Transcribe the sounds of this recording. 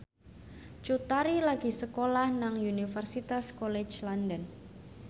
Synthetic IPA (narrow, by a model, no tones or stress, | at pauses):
t͡ʃut̪aɾilaɡ̥i̤səkolahnaŋunifərsit̪askolɛt͡ʃlandən